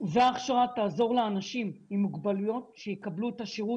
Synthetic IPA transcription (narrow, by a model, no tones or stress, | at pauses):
veaːχʃaʁataːzo̞ʁleanaʃimimuɡbalujo̞tʃejekɐbluetaʃeʁu